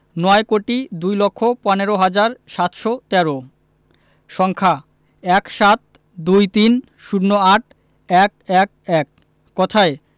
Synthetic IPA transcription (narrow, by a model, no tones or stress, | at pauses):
nɔekoʈid̪ujlokʰːopɔneɾoɦad͡ʑaɾʃat̪ʃɔt̪ɛɾo | ʃɔŋkʰa | ɛkʃat̪̚ | d̪ujt̪in | ʃuɽnːoaʈ̚ | ɛk̚ɛk̚ɛk̚ː | ɔt̪ʰae